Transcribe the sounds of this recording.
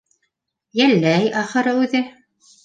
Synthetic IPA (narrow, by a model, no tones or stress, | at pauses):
jælːæjɑχɤ̆ɾɤʉðɘ